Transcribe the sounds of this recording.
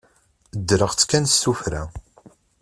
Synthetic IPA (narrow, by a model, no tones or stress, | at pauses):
əd̪ːɾəʁt͡sːkːænstːufɾæ